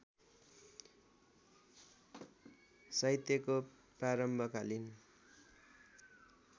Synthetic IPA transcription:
sʌjt̪jʌko | praɾʌmbʱʌkalin

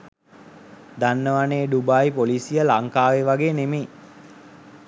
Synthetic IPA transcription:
d̪anːəʋaneːɖubajpolisijəlaŋkaːʋeʋaɡeːnemeː

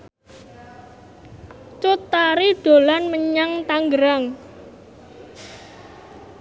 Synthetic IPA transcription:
t͡ʃut̪aɾiɖ̥o̤lanməɲaŋt̪aŋɡəɾaŋ

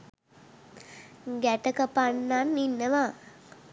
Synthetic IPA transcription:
ɡæʈəkəpanːanːinːəʋa

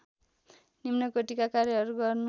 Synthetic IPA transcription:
nimnʌkoʈikakaɾjʌɦʌɾuɡʌrnu

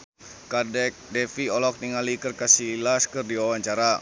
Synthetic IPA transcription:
kadɛk̚dɛfiɔlɔk̚niŋalikɨrkasilaskɨrdiwawaɲt͡ʃaɾa

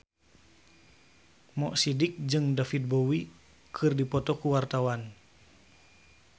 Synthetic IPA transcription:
mɔʔsidik̚d͡ʒɨŋdafit̪̚bɔwi | kʰɨrdipɔt̪ɔkuwart̪awan

